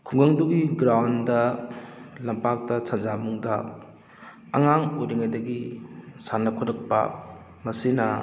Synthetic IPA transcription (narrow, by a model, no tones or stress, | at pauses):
kʰuŋɡɐŋduɡiɡɾawndɐ | lɐmpak̚tɐsʰazamuŋdɐ | ɐ̰ŋaŋojɾiŋajdɐɡisanːɐkʰɔɾɐk̚pɐ̰ | mɐsinɐ